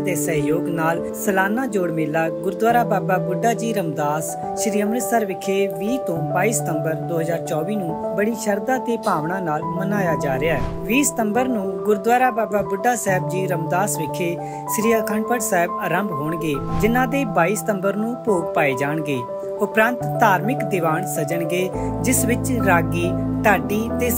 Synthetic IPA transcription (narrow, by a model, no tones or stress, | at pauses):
t̪eːsəɦjoːɡnaːl | səlaːnãːd͡ʒoːɽmeːlaːɡʊɾd̪ʋaːɾaːbaːbaːbʊɖaːd͡ʒiːɾəmd̪aːs | ʃɾiːəmnɪsəɾʋɪkʰeːʋiːt̪õːbaːiːsə̥t̪əmbəɾd̪oːɦəzaːɾt͡ʃɔːʋiːnũːbəɽiːʃəɾd̪ãːt̪eːpaːʋɳãːnaːlmənaːjaːd͡ʒaːɾɪaːɛː | ʋiːsə̥t̪əmbəɾnũːɡʊɾd̪ʋaːɾaːbaːbaːbʊɖːaːsɛːb̚d͡ʒiːɾəmd̪aːsʋɪkʰeː | ʃɾiːaːkʰəɳpəɽsɛːɦəbəɾəmbɦoːɳɡeːd͡ʒɪnãːd̪eːbaːiːsə̥t̪əmbəɾnũːpoːɡ̚paːeːd͡ʒaːɳɡeː | ʊpɾə̃nt̪ːaːɾmɪkd̪ɪʋaːɳsəd͡ʒəɳɡeːd͡ʒɪsʋɪt͡ʃɾaːɡiːʈaːɖiːt̪eː